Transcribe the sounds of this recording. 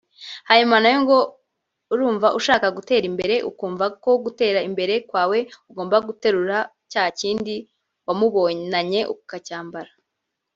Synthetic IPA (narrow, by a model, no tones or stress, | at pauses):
hajimanajoŋɡo̞ | uɾuːɱvaʔuʃaːkaɡute̞ːɾimbe̞ɾe̞ʔṵkuːɱvako̞ɡute̞ːɾaimbe̞ɾe̞kwaːwe̞uɡo̞ːmbaɡute̞ɾuɾa | caːhaciːndi | wamuβo̞naɲe̞ʔukukacaːmbaɾa